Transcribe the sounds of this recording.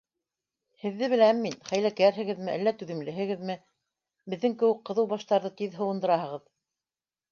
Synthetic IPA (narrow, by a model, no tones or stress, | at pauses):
hɘ̆ðːɘβɘ̆læmːinχæjlækæɾɦɘ̆ɡɘðmɘʔælːæt̪ʉðɘ̆mlɘ̆ɦɘ̆ɡɘðmɘ | bɘ̆ðːɘŋkɘ̆wɘk̚qɤ̆ðɤwβɑʃt̪ɑɾðɤt̪iðɦɤ̆wɤ̆nd̪ɤ̆ɾɑhɤ̆ʁɤð